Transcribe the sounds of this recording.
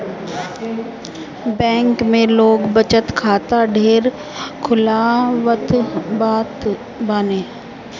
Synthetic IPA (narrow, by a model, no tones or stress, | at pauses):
bɛ̃ːŋkmẽloːɡbət͡ʃət̪kʰaːt̪aɖʱeːɾ | kʰʊlaʋət̪baːt̪ | baːneː